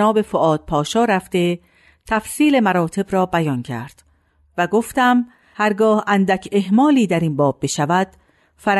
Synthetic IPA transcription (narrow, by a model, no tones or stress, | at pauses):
ɒːbe̞foʔɒːd̪̥̚pʰɒːʃɒːɾæft̪e̞ | t̪ʰæfsiːle̞mæɾɒːt̪ʰe̞bɾɒːbæjɒncʰæ̰ɾd̪̥ | væɡoft̪æm | hæɾɡɒːhænd̪ækʰe̞hmɒːliːd̪æɾinbɒːbːe̞ʃævæd̪̥ | fæɾ